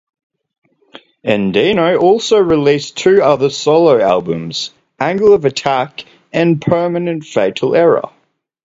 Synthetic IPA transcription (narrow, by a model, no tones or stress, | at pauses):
ɛ̃ndinəʊʔɔˑlˠsəʊɹɪliˑstʰʉːʌðəsɒləʊæ̰lˠbə̃mz̥ | ʔæ̃ŋɡəlˠəvətʰæk | ə̃npʰɜːˑmənə̃ntfeɪtʰˡl̩ˠɛɹə̰